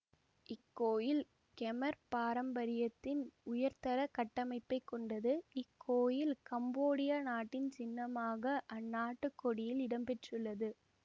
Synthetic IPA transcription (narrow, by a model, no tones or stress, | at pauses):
ʔɪkːoːjɪl | kɛmɐɾpaːɾɐmbɐɾɪjɐt̪ːɪnʊjɐɾt̪ɐɾɐkɐʈːɐmɐɪpːɐɪkːɔɳɖɐðɯɪkʰːoːjɪlkɐmboːɽɪjaːnaːʈːɪnt͡ʃɪnːɐmaːɣɐʔɐnːaːʈːɯkːɔɽɪjɪlɪɽɐmpɛʈrɯlːɐðɯ